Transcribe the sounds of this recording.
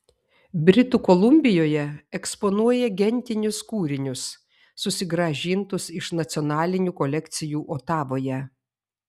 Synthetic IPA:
bʲɾʲɪt̪uːkɔlˠʊmʲbʲɪjoːjɛɛkspɔnuɔjɛɡʲɛnʲt̪ʲɪnʲʊskuːɾʲɪnʲʊsː | ʊsʲɪɡɾɐʒʲiːnt̪ʊsɪʃnɐt̪sʲɔnɑːlʲɪnʲuːkɔlʲɛkʲt̪sʲɪjuːʔoːt̪ɑːʋoːjɛ

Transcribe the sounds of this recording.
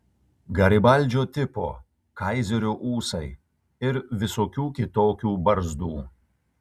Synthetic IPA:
ɡɐɾʲɪbɐlʲˑd͡ʒʲoːt̪ʲɪpo̰ː | kɐɪzʲɛɾʲoːʔuːsɐɪ | ɪɾʋʲɪsoːkʲuːkʲɪt̪oːkʲuːbɐɾzd̪uː

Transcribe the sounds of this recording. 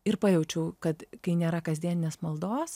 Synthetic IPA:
ɪɾpɐːjɛʊt͡ʃʲɛʊkɐt̪kɐɪnʲeːɾɐkɐzʲd̪ʲiɛnʲɪnʲeːsmɐlˠd̪oːs

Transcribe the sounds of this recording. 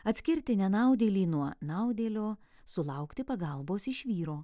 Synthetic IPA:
ɐt̪ʲsʲkʲɪɾʲt̪ʲɪnʲɛnɑˑʊd̪ʲeːlʲiːnuɔnɑʊd̪ʲeːlʲoː | sʊlˠɑˑʊkt̪ʲɪpɐɡɐlˠboːsɪʃʲʋʲiːɾoː

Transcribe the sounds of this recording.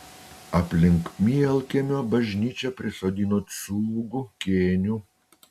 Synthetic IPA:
ɐpʲlʲɪŋkmʲiɛlʲˠkʲemʲoːbɐʒʲnʲiːt͡ʃʲɛpʲɾʲɪsoːd̪ʲiːnot̪suːɡukʲeːnʲu

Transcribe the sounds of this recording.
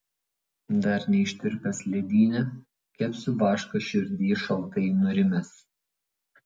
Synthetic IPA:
d̪ɐɾnʲɛɪʃʲt̪ʲɪɾʲpʲɛsʲlʲɛd̪ʲiːnʲɛ | kʲɛpʲsʲʊʋɑːʃkɐʃʲʊɾʲd̪ʲiːʃɐlˠt̪ɐɪnʊɾʲɪmʲɛs

